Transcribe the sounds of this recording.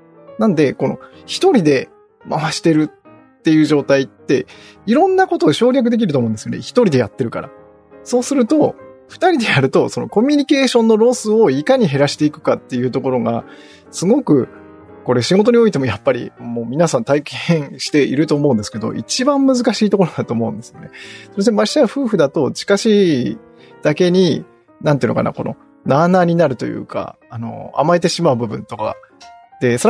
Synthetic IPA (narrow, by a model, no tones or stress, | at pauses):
nãnd̪e̞ko̞no̞̰ | çi̥t̪o̞ɾʲid̪e̞ | mʔaβaɕi̥t̪e̞ɾɯ̟ | t̪ːe̞jɯ̟ːʑo̞ːt̪ait̪ːe̞̰iɾõ̞nːako̞t̪o̞ːɕo̞ːɾʲjak̬ɯ̟d̪e̞k̬ʲiɾɯ̟omõːd̪esɨjo̞nḛçi̥t̪o̞ɾʲid̪e̞jat̪ːe̞ɾɯ̟ka̰ɾa̰ | so̞ːsɨɾɯ̟t̪o̞ɸɯ̥t̪aɾʲid̪e̞jaɾɯ̟t̪o̞so̞no̞̰ko̞mʲiɲ̟ike̞ːɕõ̞nːoɾo̞ːsɨoikaɲ̟iɦe̞ɾaɕi̥t̪e̞ikɯ̟̥kat̪ːe̞jɯ̟ːt̪o̞ko̞ɾo̞ɡa̰ | sɨɡo̞kɯ̟ | ko̞ɾe̞ɕiɡo̞t̪o̞ɲ̟io̞it̪̬e̞mo̞japːaɾʲḭmo̞ːmʲinasãnt̪aikʰẽɰ̃ɕi̥t̪e̞ʔiɾɯ̟t̪o̞ːmo̞ɯ̃nd̪e̞sɨ̥ke̞d̪o̞̰ʔit͡ɕibãmːɯ̟zɨkaɕiːt̪o̞ko̞ɾod̪at̪o̞ːmo̞ɯ̟̃nd̪e̞sɨjo̞ne̞soes̬emai̥ɕaɯɸɯ̟ːɸ̟d̪at̪o̞t͡ɕi̥kaɕiː | d̪̥ake̞ɲ̟i | naneiɯnoka̰na̰ko̞̰no̞̰ | naːnaːɲ̟inaɾɯ̟t̪o̞̰jɯ̰ːka̰ːno̞̰a̰mae̞t̪e̞ɕimaɯ̟bɯ̟bɯ̟̃nt̪o̞ka̰ | d̪̥e̞soɾ